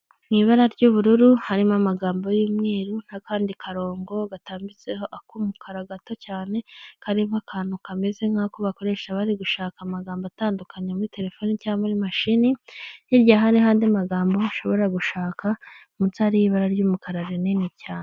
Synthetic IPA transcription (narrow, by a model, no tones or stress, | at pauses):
mŋiːβaɾaɾɟuːβuɾuɾuhaɾimamaɡaːmbo̞jimŋiːɾun̥akaːndikʰaɾo̞ːŋɡo̞ɡataːmbit͡seho̞ʔakumukʰaɾaɡato̞caːne̞kaɾiβakʰaːn̥hukame̞ze̞ŋ̥akoβako̞ɾe̞ːʃaβaɾiɡuʃaːkamaɡaːmboataːndukʰaɲamuɾite̞ɾe̞fo̞ːnicaːmuɾimaʃinijiɾɟaɦaɾiɦaːndiamaɡaːmbo̞aʃo̞βo̞ɾaɡuʃaːkʰa | mut͡saɾijiβaɾaɾɟuːmukʰaɾaɾenenicaːne